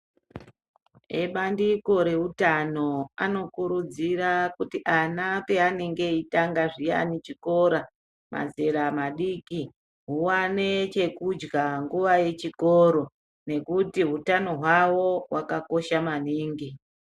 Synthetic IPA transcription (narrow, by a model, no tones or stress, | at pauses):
eɓandiko̞ɾe̞utano̞ano̞kuɾud͡zirakutiʔanapeane̞ŋɡe̞itaŋɡaʐija̰nit͡ʃiko̞ɾa | ma̰ze̞ɾamaɗiki | ɦuwane̞t͡ʃe̞kud͡ʒɡaŋɡuʋaje̞t͡ʃiko̞ɾo̞ | ne̞kutiɦutano̞ɦwawo̞wakako̞ʃamaniːŋɡi